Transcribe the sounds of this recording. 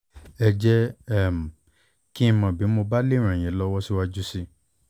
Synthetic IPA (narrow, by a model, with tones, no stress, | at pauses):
ɛ˧d͡ʒɛ˦ɛ˦˨m̩˨ | kĩ˦˧mɔ̃˨bi˨˦mo˧ba˦le˦˨ɾ̃ã˨ĩ˨˦lɔ˦wɔ˦si˦wa˧d͡ʒu˦si˧